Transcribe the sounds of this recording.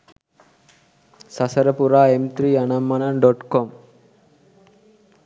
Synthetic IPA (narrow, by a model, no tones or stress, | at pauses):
sɐsɐɾɐpuɾaːemt̪ɾiːɐnɐmːɐnɐnɖoʈkom